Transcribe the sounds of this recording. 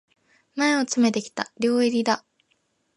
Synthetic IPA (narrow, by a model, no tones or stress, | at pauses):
mae̞o̞t͡sɨme̞t̪ekʲi̥t̪aɾʲo̞ːiɾʲid̪a